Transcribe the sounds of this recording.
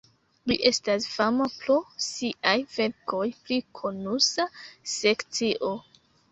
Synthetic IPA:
liʔe̞stasfamapɾo̞siʔajve̞ɾko̞jplikʰonusasekt͡siʔo̞

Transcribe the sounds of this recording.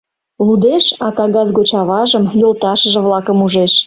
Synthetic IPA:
lud̪eʃɑk̪ɑɣɑzɣot͡ɕɑβɑʒəmjolt̪ɑʃəʒə̆βlɑkəmuʒeʃ

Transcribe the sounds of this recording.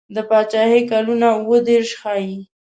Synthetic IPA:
d̪əpɑt͡ʃɑhekalunauwəd̪eɾʃxɑji

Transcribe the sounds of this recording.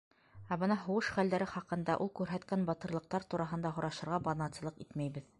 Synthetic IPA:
æbɤnɑɦŏwɤʃχæld̪æɾɘχɑqɤ̆nd̪ɑʔulˠkʉɾɦæt̪kænbɑt̪ɤ̆ɾlˠɤ̆q̚t̪ɑɾt̪uɾɑɦɤ̆nd̪ɑɦŏɾɑʃɤ̆ɾʁɑbɑnɑt̪sɤ̆lˠɤqit̪mæjβɘð

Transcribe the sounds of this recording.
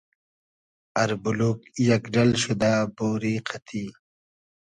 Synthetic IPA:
ɐɾbuluːkjɐkɖɐlɕud̪aːboːɾiːqʰɐt̪ʰiː

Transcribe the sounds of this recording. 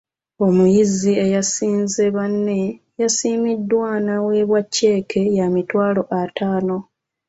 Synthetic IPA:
o̞mujizie̞jasiːnze̞βanːe̞ | jasiːmidːwanawe̞βwacːe̞ːkʰe̞jamitwaːlo̞ʔataːno̞

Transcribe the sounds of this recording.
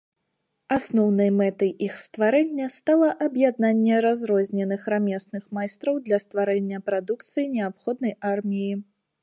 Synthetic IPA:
asnɔwnɐjmɛt̪ɐjixst̪vaɾɛnʲːɐst̪alˠɐʔɐbjad̪̚nanʲːɛɾazɾɔzʲnʲɛnɨxɾamʲɛsnɨxmajst̪ɾɐwd̪lʲɐst̪vaɾɛnʲːɐpɾad̪ukt̪sɨjinʲɛapxɔd̪̚nɐjarmʲiji

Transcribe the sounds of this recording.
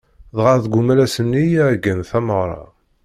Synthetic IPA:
ðʁaɾðɡumælæsənːijʕɡənθæməʁɾˤɑ̰

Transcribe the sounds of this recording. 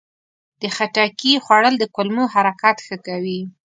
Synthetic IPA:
d̪̥əxaʈakixwaɽəld̪əkʊlmuɦaɾakat̪xəkawi

